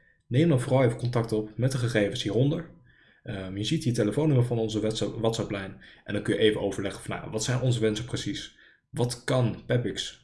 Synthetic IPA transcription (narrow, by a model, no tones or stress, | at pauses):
nejmdɑnvoːrɑlˠejvəkɔntɑk̚tɔpmɛt̚dəχəχejvənsɦiːrɔndəɹ | əmjəzit̚diteləfownɵməvɑnɔnzəʋɑtsɑplɛjnʔɛ̰ndɑŋkɵnjəʔejvəʔowvəɹlɛχə̥v̥ɑnːa̰ʋɑtsɛjnʔɔnzəʋɛnsəprəsis | ʋɑtkɑnpɛpɪks